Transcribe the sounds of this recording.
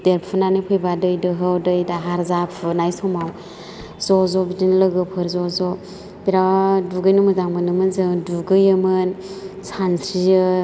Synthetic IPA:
d̥eɾpʰɯnanɯpʰɯjbadɯjdɯɦɯwdɯjdaɦaɾzapʰɯnajsɔmaw | zɔzɔbidinlɯɡɯpʰɯɾzɔzɔ | b̥iɾaduɡɯjnɯmɯzaŋmɯnɯmɯnzɯŋduɡɯjɯmɯn | sansɾijɯ

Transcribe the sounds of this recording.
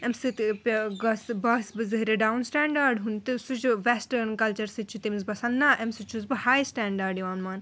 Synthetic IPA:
ɛmsɨt̪pʲɡɐsbɐsbɨzɨɦɾeɖawnsʈɛːɳɖaːɾɖɦunt̪ɨsut͡ʃʋesʈɐɾnkɐlt͡ʃɐɾsɨt͡ʃʰut̪imzbɐsɐnːaʔɛmsɨt͡ʃʰuzbɨhaːjsʈɛːɳɖaːɾɖjiʋaːnmaːn

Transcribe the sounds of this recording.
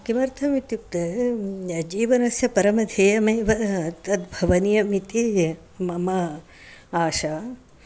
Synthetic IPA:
kimɐɾt̪ʰɐmit̪juk̚t̪ɐ | d͡ʒiːʋɐnɐsjɐpɐɾɐmɐd̪ʱeːjɐmɐjʋɐt̪ɐt̪bʱɐʋɐnijɐmit̪i | mɐmɐ | aːʃaː

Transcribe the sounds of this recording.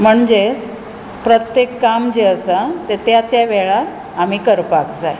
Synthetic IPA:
m̤əɳd͡ʑes | pɾət̪jekːamd͡ʑeəsat̪et̪jat̪jaʋɛɭa | am̤ikəɾpakd͡zaj

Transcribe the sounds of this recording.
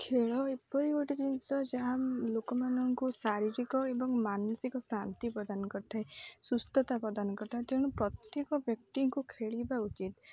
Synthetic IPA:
kʰeɭɔepɔɾioʈid̪insɔd͡ʒaɦalokɔmanɔŋkusaɾiɾikɔebɔŋmanɔsikɔsant̪ipɾɔd̪anɔkɔɾt̪ʰaesust̪ɔt̪apɾɔd̪anɔkɔɾt̪ʰaɦet̪ẽupɾɔt̪jekɔbjɔk̚t̪iŋkukʰeɭibaut͡ʃit̪

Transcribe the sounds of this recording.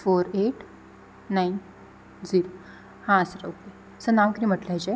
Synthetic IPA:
foɾeʈː | ajn | d͡ziɾo | hãsəɾoke | sənaʋkid̪im̤əʈlajd͡ʑe

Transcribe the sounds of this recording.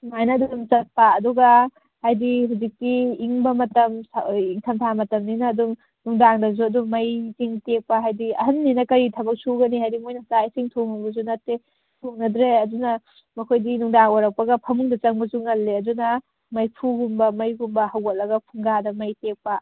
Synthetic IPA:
majnɐdudumt͡ʃɐt̚paːduɡɐ | hajdiɦuzik̚tiːŋbɐmɐtɐmsiŋkʰɐmtʰamɐtɐmninɐːduŋ | nuŋdaŋdɐzuɐduŋmɐjziŋtek̚pɐɦajdiɐɦɐnːinɐkɐɾitʰɐbɐk̚suɡɐnihajdimojnɐsajsiŋtʰoŋɐbɐzunɐtːe | tʰoŋnɐdɾeɐdunɐ | mɐkʰojdinuŋdaŋwaɾɐk̚pɐɡɐpʰɐmuŋdɐt͡ʃɐŋbɐzuŋɐlːeɐdunɐ | mɐjpʰuɡumbɐmɐjɡumbɐhɐwɡot̚lɐɡɐpʰuŋɡadɐmɐjtek̚pɐ

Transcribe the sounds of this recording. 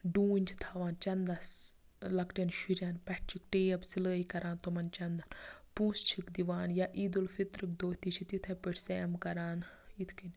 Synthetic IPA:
ɖuːnʲt͡ʃʰi̥t̪ʰaʋaːnt͡ʃɐnd̪as | lɐkʈenʃiɾʲjaːnpɛʈʰt͡ʃʰikʈeːɐbsiləːikɐɾaːnt̪omɐnt͡ʃɐnd̪anpũːst͡ʃʰikd̪iʋaːnjaʔiːd̪ulfit̪ɾɨkd̪oːt̪it͡ʃʰit̪it̪ʰɛpəʈʰseːmkɐɾaːnit̪ʰkin

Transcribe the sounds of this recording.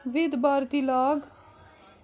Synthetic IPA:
ʋɪd̪baːɾt̪ilaːɡ

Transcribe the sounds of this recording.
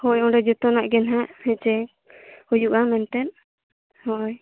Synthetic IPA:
hɔjɔ̃ɖɛd͡ʒut̪ɔnaʔɡɛnɦaʔhɛ̃t͡ʃɛ | ujuʔamɛnt̪ɛn̚ | hɔj

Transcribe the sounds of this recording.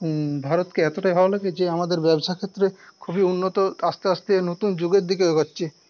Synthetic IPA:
bʱaɾot̪keɛt̪oʈajɦɔalaɡed͡ʑeamad̪eɾbɛboʃakʰet̪ːɾekʰubiunːot̪oast̪east̪enot̪und͡ʑoɡeɾd̪ikeoɡotːʃʰe

